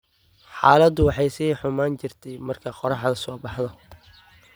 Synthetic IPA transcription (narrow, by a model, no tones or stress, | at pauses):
ħɑːlɐd̪ʊwɑħɑjsiːħʊmaːnt͡ʃɪrt̪ʰɛjmɐrkʰɐqɔɾɑħd̪ɐsɔːbɑħðɐ